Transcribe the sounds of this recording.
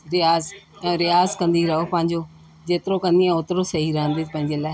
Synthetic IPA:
ɾɪjaːz | ɛ̃ːɾɪjaːzkɐ̃nd̪iɾɐɦopɐ̃ɦɪ̃ɲd͡ʑoː | d͡ʑeːt̪ɪɾokɐ̃nd̪iɛ̃ʊt̪ɾosɐɦiɾɐɦə̃nd̪eːpɐ̃ɦɪ̃ɲd͡ʑeːlaːɪ

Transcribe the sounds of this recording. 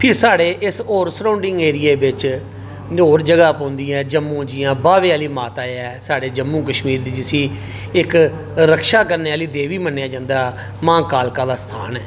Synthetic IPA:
pʰɪɾsaːɽeːʔɪsoːɾsɾãːʊɳɖɪŋɡeːɾɪjeːbɪt͡ʃ | noːɾd͡ʒəɡaːpõːnd̪iɛ̃ːd͡ʒəmːũːd͡ʒɪjãːbaːʋeːaːliːmaːt̪aːɛːsaːɽeːd͡ʒəmːũːkəʃmiːɾd̪iːd͡ʒɪsiː | ɪk | ɾəkʃaːk̬əɾneːaːliːd̪eːʋiːmənːejaːd͡ʒãːnd̪aː | mãːkaːlkaːd̪aːst̪ʰa̰ːnɛː

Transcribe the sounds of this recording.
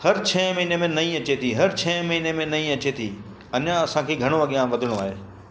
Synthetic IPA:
hɐɾt͡ɕʰɛːmɐɦinemẽnɐĩɐt͡ɕet̪ʰiɦɐɾt͡ɕʰɛːmɐɦinemẽnɐĩɐt͡ɕet̪ʰi | ɐɲãɐsãkʰeːɡʱɐɽ̃oɐɠijãʋɐd̪ʱɪɽ̃oaːɦeː

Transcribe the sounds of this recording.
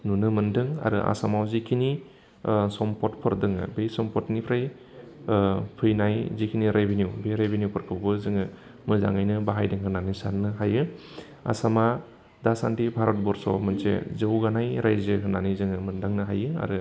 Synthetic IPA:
nunɯmɯndɯŋa̰ɾɯʔa̰samawzikʰini | sɔmpɔtpʰɔɾdɯŋɯ̰bejsɔmpɔtnipʰɾaj | pʰɯjnajzikʰiniɾebʱenjuwbeɾebenjupʰɯɾkʰɯwbɯzɯŋɯ | mɯza̰ŋajnɯbaɦajdɯŋɦɯnanisanːɯɦajɯ | a̰sama | dasantibʱaɾɔt̚bɔɾsɔ̰mɯnsḛzɯwɡanajɾajzɯɦɯnanizɯŋɯmɯndaŋnɯɦajɯa̰ɾɯ

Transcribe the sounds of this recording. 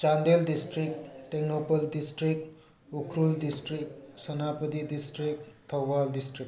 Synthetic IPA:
t͡ʃand̪eldisʈɾik̚teknopɐldisʈɾik̚ | ukʰɾuldisʈɾik̚sɐnapəd̪idisʈɾik̚t̪ʰɐwbaldisʈɾik

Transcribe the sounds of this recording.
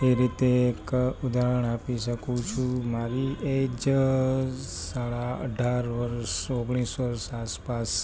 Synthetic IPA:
eɾit̪eːkud̪aɦəɳ̃apiʃəkũt͡ʃʰũmaɾied͡ʒ | saɭaə̰ɖʱaɾʋəɾʃoɡɽ̃isʋəɾʃaspas

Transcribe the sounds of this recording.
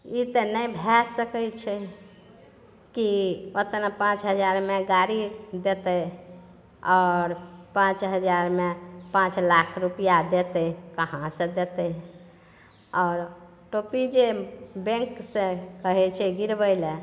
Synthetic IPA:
it̪ənəjbʱɛsəkəjt͡ʃʰɛ | kiot̪napãt͡ʃɦəd͡ʒaɾmeɡaɾid̪et̪ə | ɔɾpãt͡ʃɦəd͡ʒaɾmepãt͡ʃlakʰɾupijad̪et̪əkəɦãsə̃d̪et̪ə | ɔːɾ | ʈopid͡ʒebẽŋksə̃kəɦɛt͡ʃʰɛɡiɾbəɪle

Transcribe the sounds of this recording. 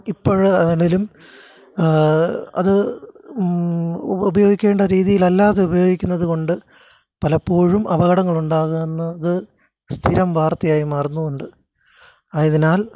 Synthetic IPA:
ipːoːɻɐnilɐilum | ɐ̰ðɨ | ubɐjoːɡikʲːe̞ːɳɖɐɾiːðijilɐlːaːðeubɐjo̞ːɡikʲːunːɐðuko̞ɳɖɨ | pɐlɐpːoːɻumʔɐʋɐɣɐɽɐŋːɐɭuɳɖaːɣumenːɐːðɨ | st̪ʰiɾɐmbʱaːrt̪ːɐjaːjimaːrnːuuɳɖɨ | aːiðinaːl

